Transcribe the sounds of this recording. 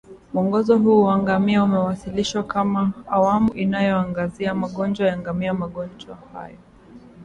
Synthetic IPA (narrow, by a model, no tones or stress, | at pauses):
muɔŋɡɔzɔɦuːwaŋɡamiaumɛwasiliʃwakamaːwamuʔinajɔaŋɡaziamaɠɔnd͡ʒwajaŋɡamiamaɠɔnd͡ʒwaha̰jɔ